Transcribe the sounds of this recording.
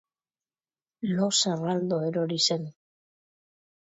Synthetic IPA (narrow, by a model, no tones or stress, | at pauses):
loserald̪oeɾoɾisen